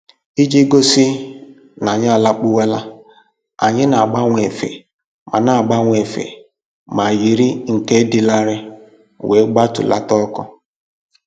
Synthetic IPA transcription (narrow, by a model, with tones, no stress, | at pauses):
i˦d͡ʒi˦ɡo˦si˦ | na˨ɲ˦˨la˦k͡pʊ˦we˦la˦ | a˨ɲɪ˦na˨a˨ɡ͡ba˦ŋʷ˨e˨fḛ˨ | ma̰˨na˨a˨ɡ͡ba˦ŋʷ˨e˨fḛ˨ | ma˨ji˨ɾi˦ŋ̩˨ke˦di˦la˦ɾɪ˦ | we˨˦ɡ͡ba˦tʊ̰˨la̰˦tɔ˦kɔ˦